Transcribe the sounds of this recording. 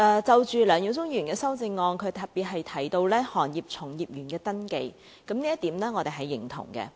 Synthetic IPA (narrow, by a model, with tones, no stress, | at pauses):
ʔɛː˨˧t͡sɐ˨˧wt͡ʃyː˨lœː˨ŋjiː˨˥wt͡sʊ˥ŋjyː˨˩nkɛː˧sɐ˥wt͡sɪ˧ŋːɔː˧nkʰɵ˨˧ɥt̪ɐ˨˩p̚piː˨t̚ɦɐ˨jt̪ʰɐ˨˩jt̪o˧wlɛː˥hɔː˨˩njiː˨p̚t͡sʰʊ˨˩ŋjiː˨˩p̚jyː˨˩nkɛː˧t̪ɐ˥nke˧j | kɐ˨˥mniː˥jɐ˥t̪iː˨˥mlɛː˥ŋɔː˨˧e˨˩ɦɐ˨jːɪ˨˩ŋt̪ʰʊ̰˨˩ŋkɛ̰˧